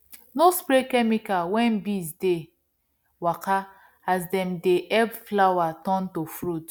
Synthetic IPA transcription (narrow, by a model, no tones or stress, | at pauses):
nospɾekɛmikawɛ̃nbisde | waka | azdɛmdeʔɛbflawatɔ̃ntofɾut